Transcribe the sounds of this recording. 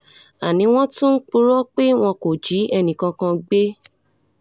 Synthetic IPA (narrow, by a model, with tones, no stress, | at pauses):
a˨nĩ˨˧˦w̃ɔ̃˦tũ˦k͡pu˦ɾɔ˦k͡pe˦w̃ɔ̃˧ko˨d͡ʒi˨˦ɛ˧nĩ˨kã˧kã˧ɡ͡be˦